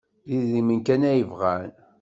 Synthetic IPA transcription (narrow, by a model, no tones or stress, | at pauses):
ðiðimənkænæjəvʁæn